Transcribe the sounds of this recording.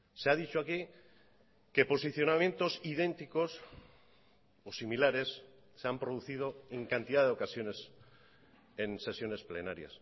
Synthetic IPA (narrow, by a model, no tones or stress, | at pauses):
seaðit͡ʃoaki | kepo̞siθjo̞namjẽ̞nt̪o̞siðẽ̞nt̪iko̞s | osimilaɾe̞s | sːeampɾoð̞uθið̞o̞eŋkant̪iðaðeo̞kasjone̞s | ense̞sjo̞ne̞sple̞̰na̰ɾja̰s